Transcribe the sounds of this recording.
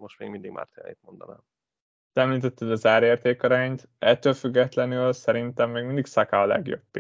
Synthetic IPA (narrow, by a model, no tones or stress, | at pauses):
moʃt̪meːɡmind̪iɡma̰ːrt̪eːn̰ḛːt̪̚mond̪ɒ̰mɛ̰m | t̪ɛmliːt̪ɛt̪ːɛd̪ɒzaːɾeːrt̪eːkɒɾaːɲt̪ | ɛt̪ːøːlfyɡːɛt̪lɛnylsɛɾint̪ɛmːeːɡmind̪iksɒkaɒlɛ̰ɡjo̞̰bp